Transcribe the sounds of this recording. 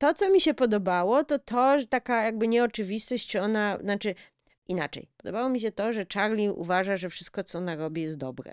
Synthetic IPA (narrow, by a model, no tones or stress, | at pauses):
t̪ɔt̪sɔmʲiɕɛpɔd̪ɔbawɔt̪ɔt̪ɔʐt̪akajaɡ̚bɘɲɛɔt͡ʂɘvʲist̪ɔɕt͡ɕt͡ɕt͡ʂɔnaznat͡ʂɘ | ina̰t͡ʂɛ̰jpɔd̪ɔbawɔmʲiɕ̬ɛt̪ɔʐɛt͡ʂaɾlʲiʔṵvaʐaʐɛfʂɘst̪̚kɔt̪sɔɔnaɾɔbʲijɛst̪d̪ɔbɾɛ̰